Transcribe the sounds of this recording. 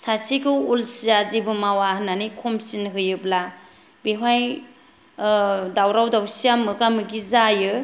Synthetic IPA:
sasikʰɯwulsizazibɯmawananikʰɔmsinɦɯjɯbla | beɦwaj | dawɾawdawsijamɯɡamɯɡizajɯ

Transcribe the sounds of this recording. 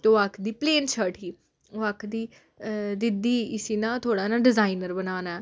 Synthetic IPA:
t̪oːakʰd̪iːpleːnt͡ʃʰəʈʰiː | oːakʰd̪iː | d̪ɪd̪iːɪsiːnãːt̪ʰoːɽaːnãːɖɪzaːinəɾbənaːnaɛː

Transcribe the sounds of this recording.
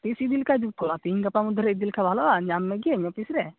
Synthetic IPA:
t̪isid̪ilkad͡ʒuk̚t̪ɔat̪iɲɡapamud̪ʱɾɛid̪ilkabʱalɔaɲamːɛɡiɛɲɔpisɾɛ

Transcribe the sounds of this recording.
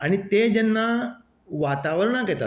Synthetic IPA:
añit̪ed͡ʑənːa | ʋat̪aʋəɾɳ̃akɛt̪a̰

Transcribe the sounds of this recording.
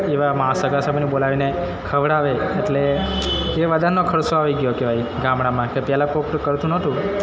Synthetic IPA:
eʋamãsəɡasəbʱnibolaʋine | kʰəʋɽaʋeːʈle | eʋəd̪ʱanːokʰəɾsoaʋiɡjokeʋajɡãmɽãmãkepjɛlapokʈkəɾt̪ũnət̪ũ

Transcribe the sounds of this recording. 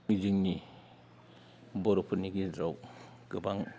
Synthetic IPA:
iziŋni | bɔɾɔpʰɯɾniɡizaw | ɡ̥ɯbaŋ

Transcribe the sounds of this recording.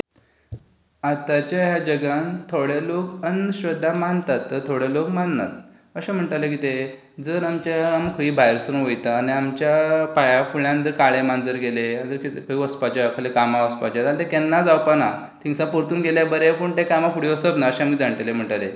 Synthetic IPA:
at̪at͡ɕjajad͡ʑəɡãnt̪ʰoɽelokənɕɾəd̪ʱːamant̪at̪ːəɾt̪ʰoɽelokmanna̰t̪̚ | əɕẽm̤əɳʈalekit̪e | d͡zəɾamt͡ɕaamkʰəiːbʱajɾsənuʋojt̪aːniamt͡ɕjapajafuɭãnt̪̬əɾkaɭemand͡zəɾɡeleand͡z̪əɾkit̪kʰəiʋəspat͡ɕakʰəlekamaʋəspat͡ɕad͡zalt̪ekɛnːad͡zawpana | t̪ʰiŋsãpoɾt̪uːnɡʱeljabəɾefuɳʈekamafʰuɽiʋəsət̪naəɕẽamid͡zaɳʈelem̤əɳʈale

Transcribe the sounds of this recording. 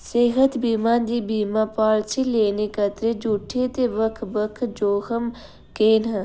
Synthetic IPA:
seːɦət̪biːmãːnd̪iːbiːmapaːɭt͡ʃʰileːnekɐt̪ɾed͡ʒuʈʰet̪eʋəkʰbəkʰd͡ʒoːhəm | keːnɦɐ̃

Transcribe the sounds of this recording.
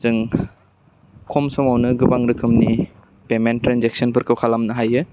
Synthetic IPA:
z̥ɯŋ | kʰɔmsɔmawnɯɡɯbaŋɾɯkʰɯmni | pementːɾanzek̚sɔnpʰɯɾkʰɯwkʰalamnɯɦajɯ

